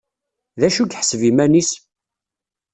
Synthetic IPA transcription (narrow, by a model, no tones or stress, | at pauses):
ðæʃukħsvimænis